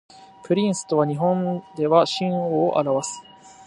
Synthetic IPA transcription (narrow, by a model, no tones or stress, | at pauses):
pɯ̟ɾʲĩɰ̃sɨ̥t̪o̞β̞aɲ̟iɦõ̞nd̪e̞βaɕĩɰ̃oːʔa̰ɾaβasɨ̥